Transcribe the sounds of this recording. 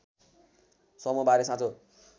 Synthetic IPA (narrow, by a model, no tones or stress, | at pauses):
sʌmubaɾesãt͡so